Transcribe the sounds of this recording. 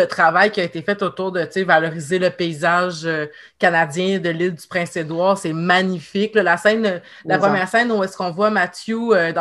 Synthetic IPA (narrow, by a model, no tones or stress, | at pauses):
ət̪χavajkʲiaet̪efɛt̪ot̪uːʁd̪ət͡sevalɔʁizeləpeizaʒø | kanad͡zjɛ̃d̪əlɪld̪y̥pχɛ̃sed̪wɑːʁsɛmaɲifɪklʌlasɛ̃n | lapχəmjɛːʁsɛ̃nuɛskɔ̃vwamatjuød̪ɑ̃